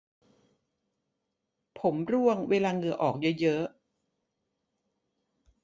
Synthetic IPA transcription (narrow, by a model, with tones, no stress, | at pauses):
pʰo˩˦mɾu˥˩əŋweː˧laː˧ŋɯ˧əʔɔː˨˩k̚jɤ˦˥jɤ˦˥ʔ